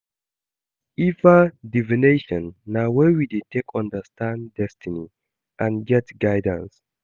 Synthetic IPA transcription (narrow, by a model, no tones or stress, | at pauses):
ivədivineʃɔ̃nːawɛwidetʰekʰɔ̃ndəstãndɛstʰini | ʔãnɡɛtɡajdãns